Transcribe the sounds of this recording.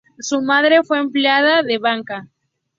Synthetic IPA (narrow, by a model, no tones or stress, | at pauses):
sumaðɾe̞fwe̞ːmpljað̞aðe̞βaŋka